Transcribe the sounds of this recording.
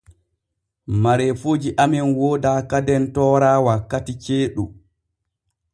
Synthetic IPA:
maɾɛfod͡ʒiʔamiɛnwoːdaːkadɛntɔːɾaːwakːatit͡ʃeːɗu

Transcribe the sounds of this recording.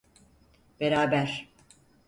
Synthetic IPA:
b̥eɾaːbæɾ̥

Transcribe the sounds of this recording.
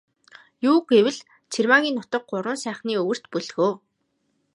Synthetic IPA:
juːɡewɘ̆ɮ | t͡sʰirmaɣʲiːnːʊt̪ə̆k̚ɢʊɾʊ̆nsæːχniːɵwɵ̆r̥t̪pɵɮɣoː

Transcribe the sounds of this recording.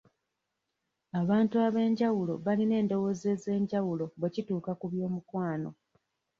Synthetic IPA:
aβaːntuaβe̞ːɲɟawulo̞βaline̞ːndo̞wo̞ze̞ze̞ːɲɟawulo̞βwe̞cituːkakuβjo̞ːmukwaːno̞̰

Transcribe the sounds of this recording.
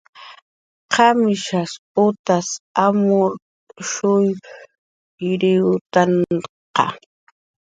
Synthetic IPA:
qʰamɪʃas | ʊt̪asamʊɾ | ʃʊj | ɾɪwt̪aɴ | qɑ̰

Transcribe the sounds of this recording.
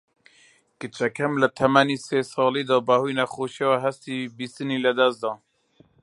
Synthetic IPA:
kɨt͡ʃʰɛkʰɛmlət̪ʰɛmæniseːsɑːliːd̪ɔːbæhujnɛxoːʃɛwɛɦɛst̪iːbist̪ɨniːləd̪ɛsd̪ɔː

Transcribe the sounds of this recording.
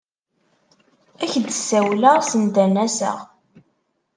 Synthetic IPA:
æçd̪əsːæwləʁsənd̪ænæsə̰ʁ

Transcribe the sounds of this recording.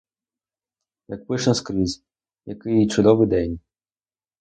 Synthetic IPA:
jɐk̚pɪʃnɐskɾizʲ | jɐkɪjit͡ʃʊd̪ɔʋɪjd̪ɛnʲ

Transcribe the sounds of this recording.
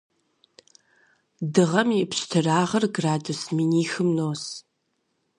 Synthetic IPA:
dɨʁɐmipɕtʰɨraːʁɐrɡraːdusminiːxɨmnoːs

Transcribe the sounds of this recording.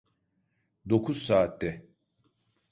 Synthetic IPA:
d̪o̞kʰuzsaːt̪ːɛ

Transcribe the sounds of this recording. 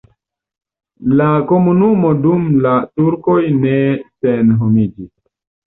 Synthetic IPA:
lakomunumodumlatuɾkojnesenɦomid͡ʒis

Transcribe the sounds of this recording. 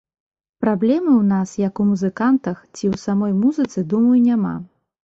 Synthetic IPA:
pɾablʲɛmɨwnasjɐkumuzɨkant̪ɐxt͡sʲiwsamɔjmuzɨt̪sɨd̪umɐjunʲama̰

